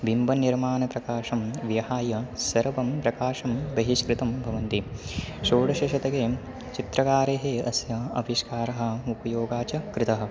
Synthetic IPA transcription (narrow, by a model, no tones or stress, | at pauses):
bimbʱɐniɾmaːnɐpɾɐkaːʂɐmʋjɐɦaːjɐsɐɾʋɐmpɾɐkaːʂɐmbɐɦiʃkɾɪt̪ɐmbʱɐʋɐnt̪iʃoːɽɐʃɐʃɐt̪ɐɡeː | t͡ʃit̪ɾɐkaːɾeːɦeːɐsjɐɐ̰ʋiʃkaːɾɐɦɐ̆upɐjoːɡaːt͡ʃɐkɾɪt̪ɐɦɐ̆